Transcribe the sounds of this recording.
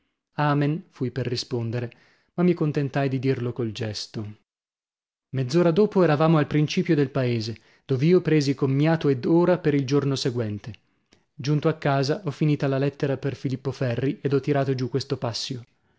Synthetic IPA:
aːmenfujperrːispond̪eɾe | mamːikont̪ent̪ajd̪id̪irlokold͡ʒɛst̪o | med̪zːoːɾad̪oːpoɛɾavaːmoalpɾint͡ʃiːpjod̪elpaeːze | d̪̥oːveiːopɾeːzikomːjaːt̪oed̪oːɾapeɾild͡ʒornoseɡwɛnt̪e | d͡ʒunt̪oakːaːzaʔɔfːiniːt̪alalɛt̪ːeɾaperfilipːofɛrːied̪ɔt̪ːiɾaːt̪od͡ʒukːwest̪opasːjo

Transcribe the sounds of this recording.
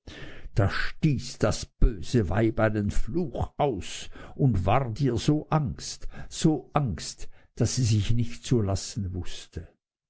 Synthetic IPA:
d̥aːʃtiːsd̥asb̥øːz̥əva̰ɪbaɪdenfluːxaʊsʔʊntv̥aːʁdiːɐzoːʔaŋstz̥oːʔaŋstd̥asiːzɪçnɪçtt͡suɐlasn̩vʊstə

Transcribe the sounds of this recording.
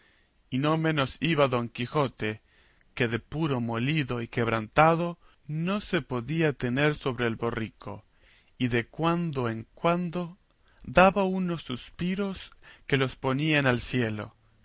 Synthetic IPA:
ino̞mẽ̞no̞siβaðo̞ŋkixo̞t̪e | keðepuɾo̞mo̞liðoikeβ̞ɾant̪aðo | no̞sepo̞ðiat̪e̞neɾso̞βɾeeːlβorikʰo̞̰ | iðekwand̪oeŋkwand̪o | ðaβaunosːuspiɾo̞ske̞lo̞spo̞nianalsje̞lo̞̰

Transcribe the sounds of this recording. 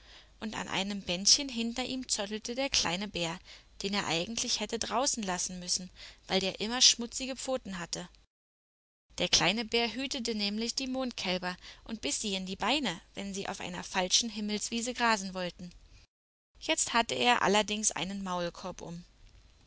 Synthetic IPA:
ʔʊnta̰nʔa̰ɪnəmbɛnçənɦɪntɐʔiːmt͡sɔtl̩tədeːɐkʰl̥a̰ɪnəbeːɐd̥eːneːɐʔa̰ɪɡŋ̩tʰlɪçhɛtədʁaʊsn̩lasn̩mʏsn̩vaɪldeːɐʔɪmɐʃmʊt͡sɪɡəp͡foːtn̩ɦatə | d̥eːɐkl̥aɪnəbeːɐɦyːtət̬ənɛːmlɪçd̥iːmoːnt̚kʰɛlbɐʔʊnt̚b̥ɪsz̥iːandiːbaɪnəvɛnziːʔa̰ʊfʔa̰ɪnɐ̰falʃn̩ɦɪml̩sv̥iːzəɡʁaːzn̩vɔltn̩ | jɛt͡sthatəʔḛːɐʔa̰lɐdɪŋsʔa̰ɪnənmaʊlkʰɔɐpʔʊ̰m

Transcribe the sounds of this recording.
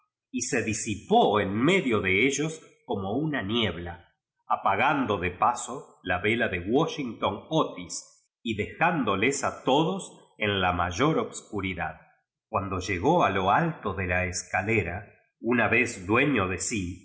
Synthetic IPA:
ise̞ðisipoenme̞ðjo̞ðeeʒo̞sko̞mo̞unanje̞βlaː | paɣand̪o̞ðepaso̞laβe̞laðeɣwoʃiŋt̪onot̪is | iðe̞xand̪o̞lesat̪oðos | enlamaʒo̞ɾoβskuɾiða̰ð | kwand̪o̞ʒe̞ɣo̞alo̞alt̪oðe̞laeskaleɾa | unaβe̞zd̪we̞ɲoðe̞si

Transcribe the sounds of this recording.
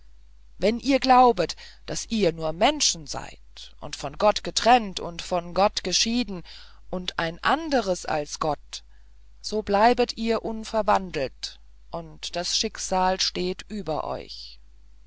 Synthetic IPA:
vɛnʔiːɐɡlaʊbət | d̥asʔiːɐnuːɐmɛnʃn̩za̰ɪtʔʊ̰ntfɔnɡɔtɡ̥ətʁ̥ɛntʊntfɔnɡɔtɡ̥əʃiːdn̩ | ʔʊntʔaɪnʔandəʁ̞əsʔa̰lsɡ̥ɔt | z̥oːblaɪbətʔiːɐʔʊnfɛɐvandl̩t | ʔʊntd̥asʃɪksaːlʃteːtʔyːbɐʔɔ̰ʏç

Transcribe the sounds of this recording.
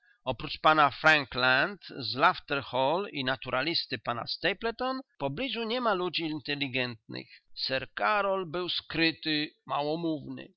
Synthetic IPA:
ɔpɾut͡ʂpanafɾaŋklant̪zlaft̪ɛɾxɔlinat̪uɾʔalʲist̪ɘpana̰st̪ɛjplɛt̪ɔnpɔblʲiʐuɲɛmalud͡ʑiːnt̪ɛlʲːiɡɛnt̪̚nɘ̰xsɛɾkaɾɔlbɘwskɾɘt̪ɘmawɔmuvnɘ̰

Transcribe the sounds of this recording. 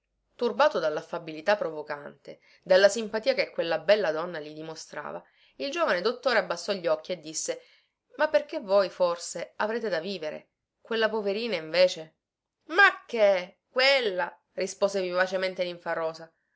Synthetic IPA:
t̪urbaːt̪od̪alːafabilit̪apːɾovokant̪e | d̪alːasimpat̪iːakekːwelːabɛlːad̪ɔnːalid̪imost̪ɾa̰ːva̰ | ild͡ʒoːvaned̪ot̪ːoːɾeabːasːɔʎːɔk̟ːied̪ːisːe | mapːerkevːojforseavɾeːt̪ed̪aviːveɾḛ | kwelːapoveɾiːnaiɱveːt͡ʃe | makːe | kwelːa | rispoːzevivat͡ʃement̪eliɱfarːɔːsa

